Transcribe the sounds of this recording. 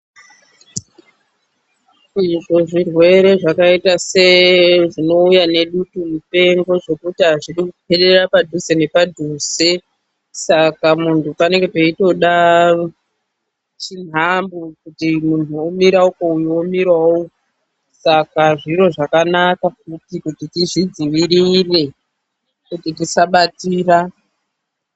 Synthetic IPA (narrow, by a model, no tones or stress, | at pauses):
iʐo̞ʐirwe̞ɾe̞ʐakaitase̞ʐino̞ujane̞ɗutumupe̞ŋɡo̞ʐo̞kutiɦaʐiɗikuupʰe̞ɗe̞rapadʱusenepadʱuse | sakamuntʰupaneŋɡepeito̞ɗa | t͡ʃin̤ambukutimuntuomiɾaukoujomiɾwao | sakaʐiɾo̞ʐakanakakutikutitiʐid͡ziʋiɾire̞ | kutitisaɓatiːra